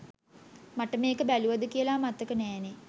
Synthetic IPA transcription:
maʈəmeːkəbæluʋɐd̪əkijəlaːmat̪ːəkənɛːne

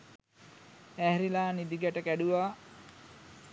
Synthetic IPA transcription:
æɦɾilaːnid̪iɡæʈəkæɖuʋaː

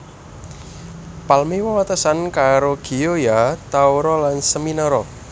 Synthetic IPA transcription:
palmewawat̪əsankaɾoɡ̥i̤jojat̪awɾɔlansəminɔɾɔ

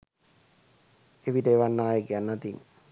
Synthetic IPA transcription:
eʋiʈəːʋanːaːjekejanːat̪in

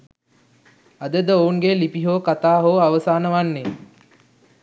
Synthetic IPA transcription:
ad̪əd̪əouŋɡelipiɦoːkat̪aːɦoːaʋəsaːnəʋanːe

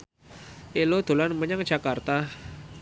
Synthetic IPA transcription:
ʔelod̪̥o̤lanməɲaŋd̥ʒ̥a̤kart̪a

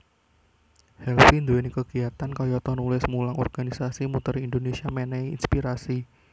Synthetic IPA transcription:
hɛlfind̪oenikəɡ̥i̤at̪ankɔjɔt̪ɔnulɪsmulaŋɔ̰rɡ̥anisasimut̪əɾindonesiamɛnɛjḭnspiɾasi

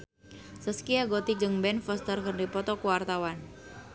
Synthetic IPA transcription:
səskiaɡɔt̪id͡ʒəŋbɛnfəst̪ərkəndipɔt̪ɔkuwart̪awan

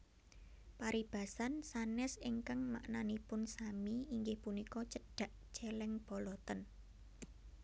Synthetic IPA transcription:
paɾib̥ä̤sansanɛsiŋkaŋma̰ʔnanipʊnsamiːŋɡɪhpunikɔt͡ʃəɖ̥a̤ʔʒ̥ɛlɛŋb̥ɔ̤lɔt̪ən

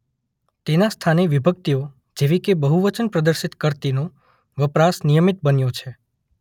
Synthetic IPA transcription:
t̪enast̪ʰaneʋibʱək̚t̪io | d͡ʒeʋikebəɦuʋət͡ʃənpɾəd̪əɾʃit̪kəɾt̪inõ | ʋəpɾasnijəmit̪̚bənjot͡ʃʰe

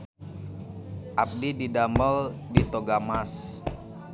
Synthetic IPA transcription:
ʔap̚dididambəldit̪oɡamas

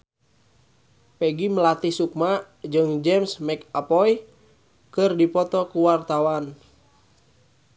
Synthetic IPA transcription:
pɛɡiməlat̪isuk̚ma | d͡ʒɨŋd͡ʒɛmsmɛkapɔj | kɨrdipɔt̪ɔkuwart̪awan

